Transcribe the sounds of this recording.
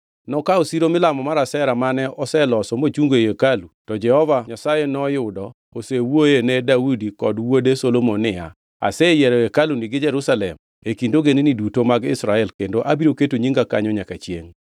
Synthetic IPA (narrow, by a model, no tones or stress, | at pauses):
nɔkaosiɾomɪlamɔmaɾasɛɾamanɛɔsɛlɔsɔmot͡ʃuŋɡeekalutɔd͡ʒɛhɔvaɲasajenɔjʊdɔ | osewojenɛdaudikɔdwodesolomonːɪja̰ | a̰sɛjɛɾɛekaluniɡɪd͡ʒɛɾusalɛ̰m | ekindoɡeninidutomaɡɪ̰sɾaɛlkendoʔabiɾoketoɲiŋɡakaɲɔɲakat͡ʃjḛŋ